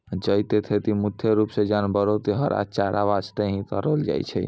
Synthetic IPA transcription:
d͡ʒəjt̪et̪ʰet̪imud̪ʱjeɾupsed͡ʒanbəɾot̪iɦəɾʔa̰t͡ʃaɾa̰ʋad͡ʒt̪eɦĩk̪əɾəld͡ʒa̰jt͡ʃʰɛ̰

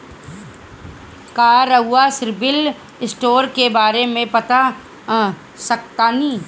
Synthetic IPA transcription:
kaːɾəɦʊasɪɾbɪl | ɪsʈoːɾkebaːɾemẽpɐt̪a | sək̚t̪anĩː

